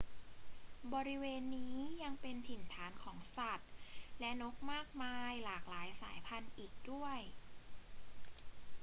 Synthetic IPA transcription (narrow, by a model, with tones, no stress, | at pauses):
bɔː˧ɾi˦˥weː˧nːiː˦˥ja˧ŋpe˧nt̪ʰi˨˩nt̪ʰaː˩˦nkʰɔː˩˦ŋsa˨˩t̪̚lɛ˦˥no˦˥k̚maː˥˩k̚maː˧jlaː˨˩k̚laː˩˦jsaː˩˦jpʰa˧nʔiː˨˩k̚du˥˩əj